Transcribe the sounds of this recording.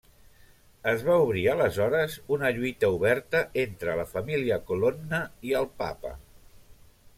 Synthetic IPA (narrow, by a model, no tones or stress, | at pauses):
əzβauβɾiələzɔɾəzunəʎujt̪əuβɛrt̪əʔent̪ɾələfəmiliəkulomnəiəlˠpa̰pə̰